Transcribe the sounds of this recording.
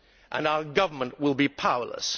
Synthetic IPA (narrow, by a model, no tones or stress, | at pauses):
ʔə̰̃naʊə˞ɡʌvə˞mə̃nʔwɪlˠbipʰaʊə̰˞lə̰s